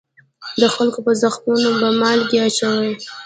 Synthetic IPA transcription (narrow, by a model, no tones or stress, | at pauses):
d̪əxalkopəzaxmunobamɑlɡeat͡ʃawaj